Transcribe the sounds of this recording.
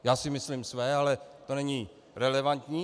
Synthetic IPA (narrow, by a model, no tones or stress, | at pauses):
jaːsɪmɪslimsvɛːalɛt̪o̞nɛɲi | ɾɛlɛvant̪ɲiː